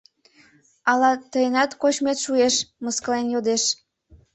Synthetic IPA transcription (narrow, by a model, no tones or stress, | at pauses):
ɑlɑt̪əjənɑt̪kot͡ɕmet̪ʃueʃməskəlenjod̪eʃ